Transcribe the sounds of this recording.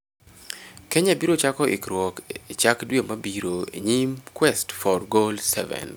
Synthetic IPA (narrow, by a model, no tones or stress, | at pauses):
kɛɲabiɾot͡ʃakɔʔɪ̰kɾwɔkit͡ʃakdwemabiɾoḛɲimkwɛstfɔrɡolsɛvɛ̰n